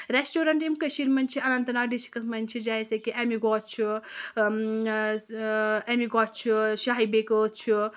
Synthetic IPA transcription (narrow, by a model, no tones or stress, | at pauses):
ɾesʈoɾɐɳʈimkəʃiɾmɐnʲt͡ʃʰiɐnɐnt̪ɐnaːɖisi̥kɐlmɐnʲt͡ʃʰid͡ʒajsɐkiʔemiɡɔtt͡ʃʰi | emiɡɔt͡ʃʰiʃaɦibekət̪̚t͡ʃʰi